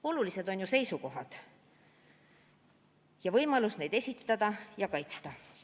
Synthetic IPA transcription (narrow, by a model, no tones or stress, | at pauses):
o̞lulise̞d̪̥o̞nʲjuse̞jsuko̞ɦɑd̪̥ | jɑvɤjmɑlusne̞jd̪e̞sʲit̪ːɑd̪̥ɑjɑkɑjt̪st̪ɑ